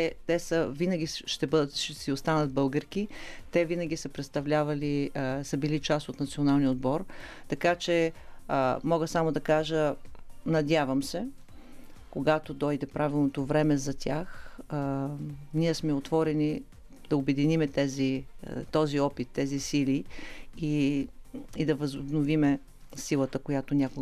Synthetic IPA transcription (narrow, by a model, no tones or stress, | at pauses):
t̪ɛt̪ɛsəvinɐɡʲiʃt̪ɛbɤd̪ət̪ʃɛsiost̪anət̪̚bɤlˠɡəɾk̟it̪ɛvinəɡʲisəpɾɛt̪st̪ɐvlʲavɐlisəbilit͡ʃast̪ot̪nɐt̪sionalˠniod̪bɔɾ | t̪ɐkat͡ʃɛ | mɔɡəsamod̪ɐkaʒənɐd̪ʲjavɐmsɛ | koɡat̪od̪ɔjd̪ɛpɾavilˠnot̪ovɾɛmɛzɐt̪ʲax | niɛsmɛot̪vɔɾɛnʲi | d̪ɐobɛd̪inimɛt̪ɛzit̪ɔziɔpit̪ːɛzisilii | id̪ɐvɐzʊbnovimɛ | silˠət̪əkojat̪onʲakʊ